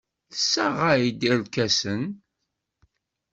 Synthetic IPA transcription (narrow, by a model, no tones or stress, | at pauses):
θəsːæʁajid̪iɾkæsən